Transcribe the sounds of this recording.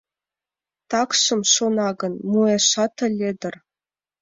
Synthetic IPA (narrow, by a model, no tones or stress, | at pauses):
t̪ɑkʂɤ̆mʂonɑɡɤ̆nmueʂɑt̪ɤ̆lʲːed̪ʲɘ̆r